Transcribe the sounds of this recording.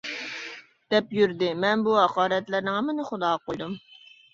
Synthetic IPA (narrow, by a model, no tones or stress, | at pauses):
d̪̥ɛpjyɾd̪ɪmɛnbuɦɑqɑːɾɛt̪lɪɾnɪŋɑmɪnɨχʊd̪ɑːqojd̪um